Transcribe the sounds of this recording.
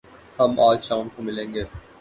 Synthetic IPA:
hɐmʔaːlʃaːmkomɪlẽːŋɡeː

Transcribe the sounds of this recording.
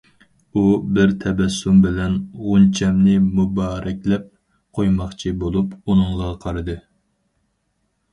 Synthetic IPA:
ubɪɾt̪ʰɛbɛsːumbɪlɛnʁʊnt͡ʃʰɛmnɪmubɑːɾɛkʲlɛp̚ | qʰojmɑχt͡ʃʰibolˠupunɨŋʁɑqʰɑɾɨd̪ɨ

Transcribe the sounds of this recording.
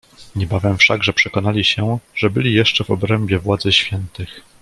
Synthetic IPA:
ɲɛbavɛmfʂaɡʐɛpʂɛkɔnalʲiɕɛʐ̥ɛbɘlʲijɛʂt͡ʂɛvɔbɾɛmbʲjɛvwad̪zɘɕfʲjɛnt̪ɘx

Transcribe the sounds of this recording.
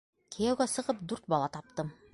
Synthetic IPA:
kʰijæwɡæsɤ̆ʁɤp̚d̪ʉɾt̪̚bɑlˠɑt̪ɑp̚t̪ɤm

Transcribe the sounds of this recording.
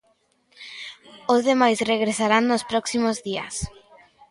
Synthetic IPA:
ʊzðemajsreɣ̞ɾesaɾaŋnospɾɔksimozðia̰s

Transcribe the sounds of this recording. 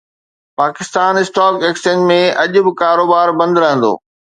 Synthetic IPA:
paːkɪst̪aːnɪsʈaːkeːksʈẽɳʈmẽʔɐʄʊ̆bɪkaːɾoːbaːɾbɐ̃nd̪ɾɐɦə̃nd̪o̰ː

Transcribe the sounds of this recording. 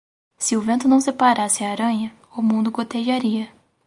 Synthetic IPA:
sɪʊvẽnt̪ʊnɐ̃w̃sepaɾasɪaːɾɐ̃ɲɐ | ʊmũnd̪ʊkot̪eʒaɾiɐ

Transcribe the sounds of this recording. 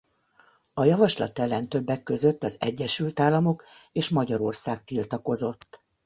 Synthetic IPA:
ɒjɒvɒʃlɒ̰t̪ɛlːɛnt̪ø̞bːɛkːø̞zø̞t̪ːɒzɛ̰ɟːɛʃylt̪aːlːɒmo̞keːʃmɒɟɒɾo̞rsaːkt̪ilt̪ɒko̞zo̞t̪ː

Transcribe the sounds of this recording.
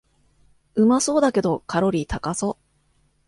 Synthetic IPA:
ɯ̟maso̞ːd̪ake̞d̪o̞kʰaɾo̞ɾʲiːt̪akaso̞

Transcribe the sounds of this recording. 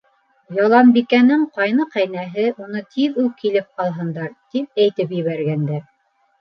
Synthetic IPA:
jɑlˠɑmbikænɘɴqɑjnɤqæjnæɦɘʔunɤt̪ʰiðukʰilɘp̚qɑlˠɦɤ̆nd̪ɑɾt̪ip̚æjt̪ɘpjɘ̆βæɾɡænd̪æ

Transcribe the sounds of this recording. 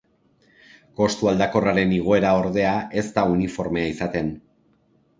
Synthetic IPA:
ko̞st̪uald̪ako̞raɾe̞niɣ̞o̞e̞ɾao̞ɾðe̞aʔe̞st̪aunifo̞ɾme̞aisat̪e̞n

